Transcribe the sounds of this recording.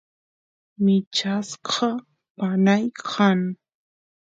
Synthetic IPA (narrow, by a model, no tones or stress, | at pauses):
mɪt͡ʃasqʰɑ | panajqʰɑŋ